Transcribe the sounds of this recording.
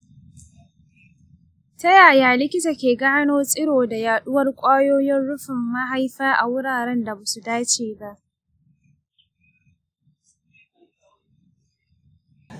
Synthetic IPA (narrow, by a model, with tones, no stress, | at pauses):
tɐ˦jaː˨jaː˦lɪ˦kʲɪ˦ta˨kʲeː˨ɡaː˦noː˦sʼɪ˦ɽoː˨da˨jaː˨ɗʊ˦wɐ˦rkʷʼaː˦joː˦jɪ˦nɽʊ˦ɸɪ˨mːa˦ɦa˦jɸaː˦ʔa̰˨wʊ˦ɽaː˨ɾɛ˦nda˨ba˨su˨daː˦t͡ʃeː˨ba˦ʔ